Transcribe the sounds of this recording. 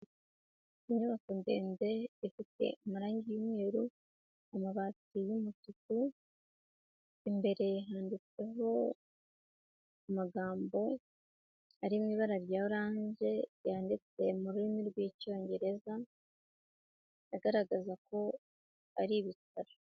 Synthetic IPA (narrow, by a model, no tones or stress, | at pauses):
iɲuβakunde̞̰ːnbe̞ifite̞̰umuɾaːɲɟijumŋe̞ːɾu | amaβatijumututu | imbe̞ɾe̞ɦaːndit͡se̞ɦo̞ | umaɡaːmbo̞ | aɾimŋiːβaɾaɾjaːuɾaːɲʒe̞ɾjaːndit͡se̞muɾuɾimiɾɡwico̞ːɲɟe̞ɾe̞za | jaɡaɾaɡazako̞ | aɾiβitaɾa